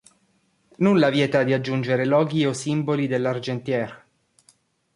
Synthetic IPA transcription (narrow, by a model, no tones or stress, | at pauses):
nulːavjɛːt̪ad̪iad͡ʒːund͡ʒeɾelɔːɡiosimbolid̪elːard͡ʒent̪jɛr